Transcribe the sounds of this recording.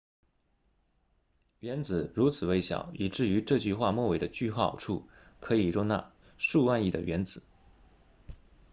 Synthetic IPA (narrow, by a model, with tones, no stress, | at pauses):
ɥɛ˧˥nt͡sɹ̩˨˩ɻu˧˥t͡sʰɹ̩˨˩we˧˥ɪɕjɑ̰˨˩ʊi˨˩ʈ͡ʂɻ̩˥˩y˧˥ʈ͡ʂɤ˥˧t͡ɕy˥˧xwa˥˧mwɔ˥˩we˧˩ɪd̪ə˧˦t͡ɕy˥˧xɑ˥˩ʊʈ͡ʂʰu˥˩kʰɤ˧˥i˨˩ɻʊ˥˧ŋna̰˥˧˩ | ʂu˥˧wa˥˧ni˥˩d̪ə̰˩ɥɛ˧˥nt͡sɹ̩˨˩˦